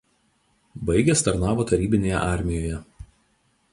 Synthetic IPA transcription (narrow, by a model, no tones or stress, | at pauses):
bɐɪɡʲɛst̪ɐɾnɑːʋoːt̪ɐɾʲiːbʲɪnʲeːjɛ̰ʔɑˑɾʲmʲɪjoːjɛ